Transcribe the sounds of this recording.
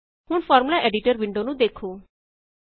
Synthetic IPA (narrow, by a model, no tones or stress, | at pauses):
hʊɳfɔːɾmulaʔeɖiʈəɾʋɪɳɖonũd̪ekʰu